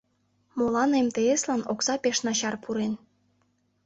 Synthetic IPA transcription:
molɑnemt̪eeslɑnoksɑpeʃnɑɕɑrpʰuɾen

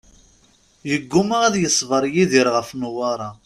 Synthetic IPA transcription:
jəɡːumaʁæðjəsˤvəɾˤjiðiɾʁəfnuwɑɾˤɑ

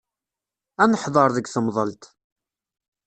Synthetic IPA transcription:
ænəħðˤəɾˤðəɡθəmðˤəlt̪

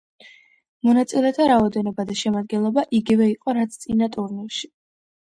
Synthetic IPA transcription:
mɔnat̪sʼilɛt̪ʰaɾaɔd̪ɛnɔbad̪aʃɛmad̪̚ɡɛnlˠɔbaʔiɡivɛiqʼɔɾat̪sʰt̪sʼinat̪ʼuɾnilˠʃi̥

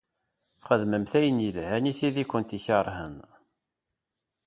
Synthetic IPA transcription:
χəðməmθæjənjilhæniθiðikʷːənt̪içəɾˤhə̰n

